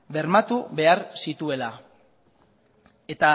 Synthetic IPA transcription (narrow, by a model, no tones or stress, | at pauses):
be̞ɾmat̪uβe̞aɾsit̪ue̞la | e̞t̪a